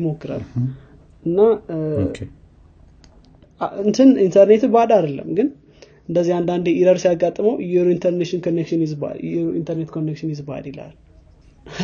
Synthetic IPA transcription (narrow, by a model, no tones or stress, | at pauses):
mokːɨɾa̰l | ʔɨnːa | ɨnt̪ʰɨnint̪ʰəɾnet̪bad̪ad̪əlːə̰mːɡɨn | ɨnd̪əzːihand̪and̪eiɾəɾsijaɡːat̪ʼːməwjɛɾint̪ʰəɾneʃɪnkʰonːekʃɪnɪzba̰jḭnt̪ʰəɾnet̪kʰonːekʃɪnjɪzba̰d̪ela̰l